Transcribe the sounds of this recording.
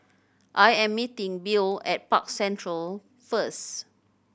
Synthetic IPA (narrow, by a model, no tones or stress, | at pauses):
ʔajɛ̃mːitĩŋbilɛt̚pa̰k̚sɛ̃ntɹəl | fəs